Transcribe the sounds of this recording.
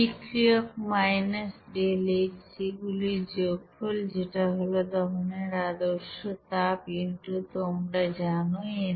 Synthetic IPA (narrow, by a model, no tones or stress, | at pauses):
ikɾiokmajnesɖeleksiɡulid͡ʑoɡpʰold͡ʑeʈaɦolod̪ɔɦoneɾad̪oɾʃot̪apinʈut̪omʈad͡ʑanoe